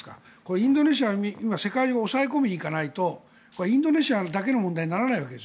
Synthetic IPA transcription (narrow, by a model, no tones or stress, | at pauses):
ka̰ | ko̞ɾeĩnd̪o̞ne̞ɕ̬iaiimase̞kaiʑoɡaosaeko̞mʲiɲ̟iːkanait̪o̞ | ko̞ɾeĩnd̪o̞ne̞ɕiad̪ake̞no̞mõ̞nd̪aiɲ̟inaɾanaiβaked̪es